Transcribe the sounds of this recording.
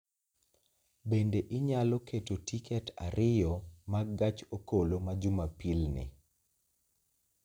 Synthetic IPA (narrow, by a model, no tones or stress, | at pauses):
bendeʔɪɲalɔketotikɛtʰa̰ɾʔɪjɔmaɡat͡ʃokolomad͡ʒʊmapilnɪ̰